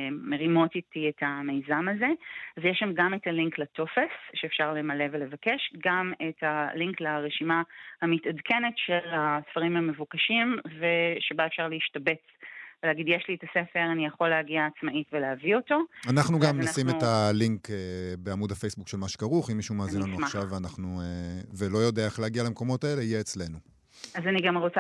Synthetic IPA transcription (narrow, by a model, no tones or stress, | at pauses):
me̞ʁimo̞titietʰamejzamaze̞azjeʃamɡamethaliŋklato̞fesʃeːfʃaʁle̞male̞vele̞vakeʃɡamethaliŋklaʁeʃimahamitadkʰe̞ne̞tʃelasfaʁimhame̞vukaʃimve̞ʃebaefʃaʁleiʃtabe̞t͡sveleaɡidjeʃlietasefeʁanijaχo̞lehaɡiaːt͡smaʔitveleavio̞to̞anaχnuɡaamnasimetaliŋkebeamudhafe̞jsbukʃelmaʃe̥kaʁuχimːiʃumaːzinlanuaχʃavveanaχnuevelo̞jo̞deaeχlehaɡialamko̞mo̞taele̞ijeːt͡sle̞nu | azaniɡamʁot͡sa